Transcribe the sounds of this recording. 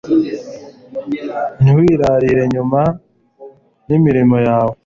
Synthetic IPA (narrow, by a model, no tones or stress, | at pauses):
niwiːɾaɾiɾe̞ɲuma | nimiɾimo̞jaːwo